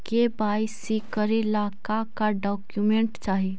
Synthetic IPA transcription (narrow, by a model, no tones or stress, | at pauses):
kebaːjsikəɾelakakaɖɔːkjumẽɳʈt͡ʃaːɦi